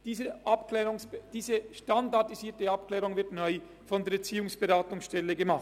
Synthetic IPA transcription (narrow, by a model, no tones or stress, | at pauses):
d̥iːzəʔɑpklɛːʁʊŋsb̥d̥iːzəʃtandɑdiziːɐtəɑpklɛːʁʊŋvɪɐtnœʏ | fɔnd̪eːt͡siːʊŋsb̥eʁaːtʊŋsʃtɛləɡəmɑχt